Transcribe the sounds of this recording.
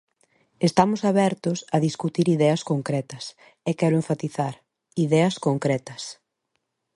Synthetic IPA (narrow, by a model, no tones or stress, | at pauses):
est̪amʊsaβɛɾt̪ʊsɐðiskut̪iɾiðɛɐskoŋkɾɛt̪ɐs | ɛkɛɾʊeɱfat̪iθaɾ | iðɛɐskoŋkɾɛt̪ɐs